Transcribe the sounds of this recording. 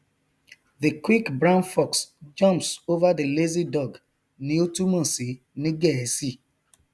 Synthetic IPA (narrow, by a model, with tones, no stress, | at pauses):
ði˨kwi˦kbɹã˦nfɔ˨ksd͡ʒɔ̃˦mpso˦va˦di˨le˦zi˦dɔ˨ɡ | ni˦o˦tu˦mɔ̃˨si˨ | ni˦ɡe˦˨si˦˨